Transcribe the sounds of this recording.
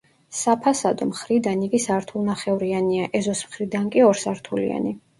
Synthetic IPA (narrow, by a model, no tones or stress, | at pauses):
sapʰasad̪ɔmχɾid̪aniɡisaɾt̪ʰulˠnaχɛuɾianiaʔɛzɔsmχɾid̪ankʼiɔɾsaɾt̪ʰulḭa̰ni